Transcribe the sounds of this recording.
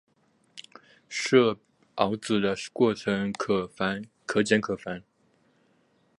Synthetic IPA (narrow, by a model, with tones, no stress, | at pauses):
ʂɤ˥˩ | ɑ˧˥ʊt͡sɹ̩˨˩d̪ə˦kwɔ˥˩ʈ͡ʂʰə˧˥ŋkʰɤ˧˩fa˧˥n | kʰɤ˧˥t͡ɕjɛ˧˥nkʰɤ˨˩fa˧˥n